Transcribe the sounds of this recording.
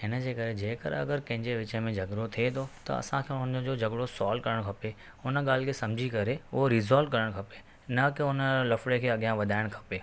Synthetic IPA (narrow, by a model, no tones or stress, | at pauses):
ɪnəd͡ʑeːkɐɾed͡ʑeːkɐ̰ɾ̰ɐ̰ɡəɾkɐ̃ɦɪ̃ɲd͡ʑeʋɪt͡ɕəmẽd͡ʑʱɐɠɽot̪ʰiet̪ʰot̪ɐ̰ɐ̰sãkʰeʊnəd͡ʑod͡ʑɐɠɽosɔːlkɐɾəɽ̃kʰɐpe | ʊnəɠaːl̤ɪkʰesɐ̃md͡ʑʱikɐɾeʊɦoɾizɔːlɖ̚kɐɾəɽ̃kʰɐpe | nɐkeʊnəlɐfɽekʰeːɐɠijãʋɐd̪ʱaːɪɽ̃kʰɐ̥peː